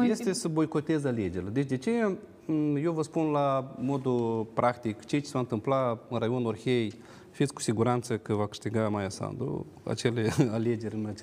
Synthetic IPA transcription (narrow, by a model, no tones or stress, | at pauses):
jest̪esəbojkot̪ezaled͡ʒeɾləd̪eʒʲd̪ʲet͡ʃeja | jewvəspunlamod̪upɾʔakt̪ikt͡ʃejt͡ʃe̥svant̪ɨmplaɨɾajonorxʲej | fit̪sku̥sʲiɡuɾant̪səkəvakɨ̥ʂt̪iɡamajasa̰nd̪ɾṵ | a̰t͡ʃelealed͡ʒeɾʲmet͡ʃ